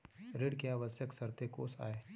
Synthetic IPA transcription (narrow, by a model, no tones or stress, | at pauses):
ɾɪɽkeaːʋəsjəksɐɾt̪eko̰ːsa̰ːeː